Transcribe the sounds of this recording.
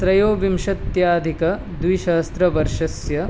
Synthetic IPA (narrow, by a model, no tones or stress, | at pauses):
sɾɐjoːʋimʃɐt̪jaːd̪ʱikɐ | d̪ʋiʃɐɦɐst̪ɾɐʋɐɾʃɐsjɐ